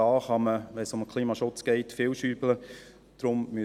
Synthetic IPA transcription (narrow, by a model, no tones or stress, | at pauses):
ɑːχɑməʋɛnsʊmkʰliːmɑʃʊt͡sɡ̥ɛɪtfɪːlʃyːblə | d̥ɾʊmmy